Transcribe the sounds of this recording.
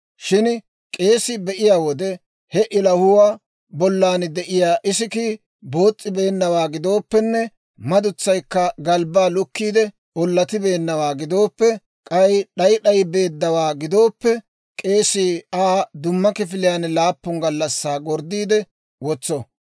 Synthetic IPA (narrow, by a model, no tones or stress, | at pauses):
ʃɪn | kʼe̞ːsɪbɛʔɪjaːwɔd̪ɛ | hɛʔɪlɐhʊwaː | bɔlːaːnd̪ɛʔɪjaːʔɪsɪkiː | bo̞ːt͡sʼːɪbe̞ːnːɐwaːɡɪd̪o̞ːpːɛnːɛ | mɐd̪ʊt͡sːɐjkːɐɡɐlbaːlʊkːiːd̪ɛ | ɔlːɐt̪ɪbe̞ːnːɐwaːɡɪd̪o̞ːpːɛ | kʼɐjɗɐjɗɐjbe̞ːd̪ːɐwaːɡɪd̪o̞ːpːɛ | kʼe̞ːsiːaːd̪ʊmːɐkɪfɪlɪjaːnlaːpːʊŋɡɐlːɐsːaːɡɔɾd̪iːd̪ɛ | wɔt͡sːɔ